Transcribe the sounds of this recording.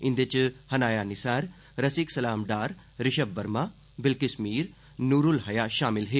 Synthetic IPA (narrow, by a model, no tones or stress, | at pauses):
ɪ̃nd̪et͡ʃhɐnaːjaːnɪsaːɾ | ɾɐsiksɐlaːmɖaːɾ | ɾɪʃɐbːɐɾma | bɪlkɪsmiːɾ | nuːɾulɦɐjaːʃaːmɪlɦeː